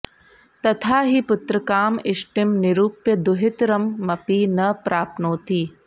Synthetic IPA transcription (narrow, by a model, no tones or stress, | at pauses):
t̪ɐt̪ʰaːɦipʊt̪ɾɐkaːmɪʃʈɪmnɪɾuːpjɐd̪ʊɦɪt̪ɾɐmːɐpiːnɐpɾaːpnoːt̪iː